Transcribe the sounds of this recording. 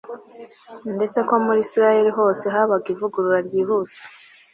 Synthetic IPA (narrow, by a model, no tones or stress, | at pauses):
nde̞t͡se̞ko̞muɾisiɾaje̞ɾiɦo̞ːse̞ɦaβaɡivuɡuɾuɾaɾjiːɦuz̥e̥